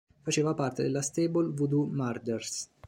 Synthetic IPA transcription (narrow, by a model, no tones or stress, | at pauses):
fat͡ʃeːvapart̪ed̪elːast̪ebolvud̪umard͡ʒ̪ers